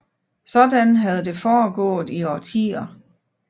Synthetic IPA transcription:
sɒ̽d̥ænɦæð̞ˠd̥e̝fɒːɡ̥ɔ̰̽ːð̩ˠiɒt͡sʰḭːɐ

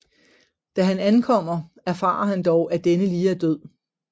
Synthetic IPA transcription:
d̥æɦænænkʰɒ̽m̰ɐ | æɐfɑ̰̈ːɐɦænd̥ɒʊʔæd̥enəliːæɐd̥øð̰ˠ

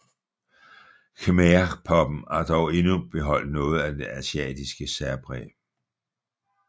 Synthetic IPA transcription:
kʰemepʰɒ̽b̥m̩ɑ̈d̥ɒʊe̝nub̥e̝ɦɒ̽l̰d̥nɔ̽ːð̞̩ˠæd̥e̝ʔæsiɛ̰ːd̥isɡ̥əsæɐb̥ʁɛ̰ː

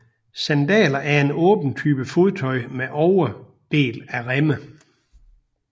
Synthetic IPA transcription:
sænd̥ɛ̰ːlɐʔæɐe̝nɔ̰̽ːb̥n̩t͡sʰyːb̥əfo̝ðˠt͡sʰɒ̽ɪmeʔɒʊɐ | b̥e̝̰ːlæʁemə

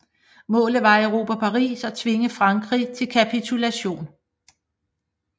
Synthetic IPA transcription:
mɔ̰̽ːlð̩ˠʋɑ̈əʊʁo̝ːpʰæpʰɑ̈ʁḭːsɒ̽t͡sʰʋe̝ŋəfʁɑ̈ŋɡ̥ʁit͡sʰe̝lkʰæpʰit͡sʰulæɕo̝̰ːn

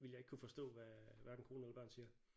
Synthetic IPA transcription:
ʋiljɑ̈eɡ̥kʰufɒ̽sd̥ɔ̰ːʋæʋæɐdn̩kʰo̝ːnelɐb̥ɶɐ̰nsiːɐ

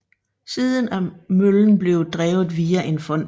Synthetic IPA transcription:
siːðˠənæmøln̩b̥le̝ʊd̥ʁɛːʊð̩ˠʋiːæʔe̝nfɒ̽n̰

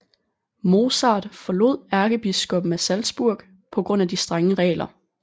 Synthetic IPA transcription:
mo̝ːsɑ̈ːd̥fɒ̽lo̝ð̰ˠæɐɡ̥əb̥isɡ̥ɔ̽b̥n̩æsælsb̥uɐ̰ɡ̥ | pʰɒ̽ɡ̥ʁɔ̽n̰æd̥isd̥ʁaŋəʁɛ̰ːlɐ

